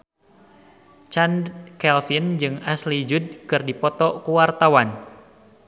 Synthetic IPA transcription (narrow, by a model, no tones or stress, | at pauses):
t͡ʃankɛlfind͡ʒɨŋaslid͡ʒud̚kɨrdipɔt̪ɔkuwart̪awan